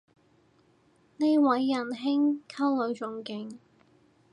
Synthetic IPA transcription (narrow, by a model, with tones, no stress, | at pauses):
ne˥jwɐ˨˥jːɐ˨˩nɦɪ˥ŋkʰɐ˥wlɵ˨˧ɥt͡ʃʊ˨ŋkɪ˨˧ŋ